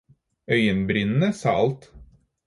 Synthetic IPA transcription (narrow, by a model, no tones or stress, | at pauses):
œʏənbɾɪnn̩əsɑ̰ːʔɑlt̪